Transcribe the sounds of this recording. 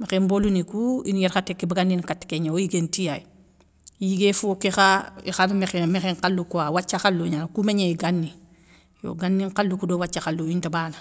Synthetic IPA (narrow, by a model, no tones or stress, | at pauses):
mexembolunikuinjɛɾxatekːibaɡanːinkatːkeɲaojiɡentijaj | jiɡefukixaḭxanmexmexeŋkalːukuawat͡ʃːaxalːuɲankumeɲeiɡanːi | jo̰ɡanːiŋqalːukudowat͡ʃːaxalːuintabana